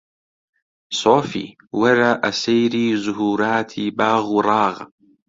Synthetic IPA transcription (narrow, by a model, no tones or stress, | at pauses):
sˤoːfḭː | wɑɾˤɑːʔasajɾiːzʊɦuːɾˤaːt̪ʰibaːɣɾˤɑːɣ